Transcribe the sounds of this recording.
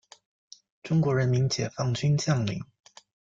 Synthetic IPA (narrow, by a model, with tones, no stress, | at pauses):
ʈ͡ʂʊ˥ŋkwɔ˧˥ɻə˧˥nmi˧˥nt͡ɕjɛ˨˩fɑ˥˩ŋt͡ɕy˥nt͡ɕjɑ˥˩ŋlḭ˧˥ŋ